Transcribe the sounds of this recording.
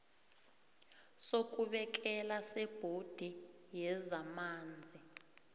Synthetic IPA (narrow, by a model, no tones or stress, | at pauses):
sok̬ʼuɓɛk̬ɛlasɛb̥ʱod̥ʱi | jɛzamaːnd͡zʱi